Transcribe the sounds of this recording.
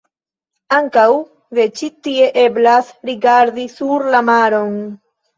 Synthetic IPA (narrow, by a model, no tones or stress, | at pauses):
aŋkaw | ðet͡ʃit̪ieʔeblasɾiɡaɾd̪isuɾlamaɾoŋ